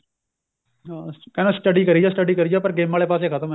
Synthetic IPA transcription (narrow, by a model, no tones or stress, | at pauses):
akɛnasʈəɖikɐɾid͡ʒosʈəɖikɐɾid͡ʒoːpɐɾɡeːmʋaːlepaːs̬ekʰɐt̪ɐ̃m